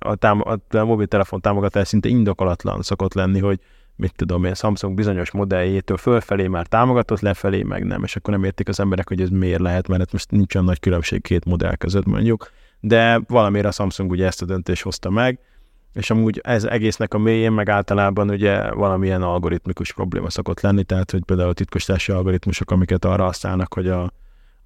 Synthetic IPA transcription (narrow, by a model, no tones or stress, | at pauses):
ɒ̰t̪aːmɒ̰t̪mobiːlt̪ɛlɛfo̞nt̪aːmoɡɒt̪aːʃsint̪ɛind̪o̞ko̞lɒt̪lɒ̰nso̞ko̞t̪lɛnːiɦo̞ɟ | mit̪ːud̪o̞meːnsɒmpsuŋɡ̚bizo̞ɲo̞ʃmo̞d̪ɛlːeːt̪øːlfølfɛleːmaːrt̪aːmo̞ɡɒt̪o̞t̪lɛfɛlḛːmʔɛ̰ɡnɛ̰mʔḛːʃɒkːornɛmeːrt̪ikɒzɛmbɛɾɛkho̞ɟɛzmeːrlɛɦɛt̪mɛɾɛt̪mo̞ʃt̪nint͡ʃojɒnːɒckylømʃḛːkkʰeːt̪mo̞d̪ɛ̰lkø̰zøt̪mo̞̰ɲɟuk | d̪ɛvɒlɒmeːɾɒsɒmpsuŋɡuɟɛɛst̪ɒd̪ønt̪eːʃt̪ho̞st̪ɒmɛɡ | eːʃɒmuːɟɛzɛ̰ɡeːsnɛkɒmeːjeːmːɛɡaːlt̪ɒlaːbɒnuɟɛ̰vɒlɒmiɛnɒlɡo̞ɾit̪mikuʃpɾro̞̰blḛːmɒso̞ko̞t̪lɛnːit̪ɛɦaːt̪ho̞c̚peːld̪aːult̪it̪̚koʃt̪aːʃiɒlɡo̞ɾit̪muʃo̞kɒmikɛt̪ɒːrːɒɒst̪a̰ːlnɒkho̞ɟɒ